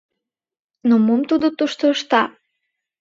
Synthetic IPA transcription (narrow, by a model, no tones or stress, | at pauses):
nomumt̪ud̪ot̪uʃt̪oʃt̪ɑ